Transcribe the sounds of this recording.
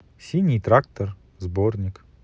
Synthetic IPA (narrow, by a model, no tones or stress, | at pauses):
sʲinʲɪjt̪ɾak̚t̪ər | zbornʲɪk